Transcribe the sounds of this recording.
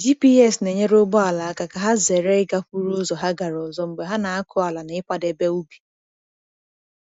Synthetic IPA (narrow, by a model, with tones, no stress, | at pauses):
d͡ʒi˦pi˦ɛ˦˨sne˨ɲe˦ɾo˦ɡ͡bɔ˦a˨la˨a˦ka˨ka˨ɦa˦ze˨ɾe˦ɪ˦ɡa˦ɸu˦ɾu˦zɔ˨ɦa˦ɡa˨ɾɔ˨zɔ˦m̩˨ɡ͡be˨ɦa˦na˨a˦kʰʊ˦a˨la˨n˨ɪ˦ka˦de˦be˦u˦bi̥˨